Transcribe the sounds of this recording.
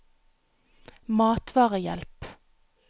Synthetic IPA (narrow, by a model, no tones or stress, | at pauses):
mɑːt̪ʰʋɑːʁəjɛ̰lp